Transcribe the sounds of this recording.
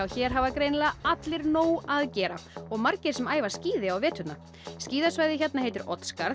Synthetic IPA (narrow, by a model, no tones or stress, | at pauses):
awçɛɾ̥ɦavakɾejnlaat̪lɪɾnoːwaðcɛːɾaɔɣmaɾcɪɾ̥sɛmaːjvasciːðɪawvɛːt̪hʏt̪na | sciːðasvaːjðɪçɛt̪naɦeːjt̪ɪɾʔɔt̪skaɾ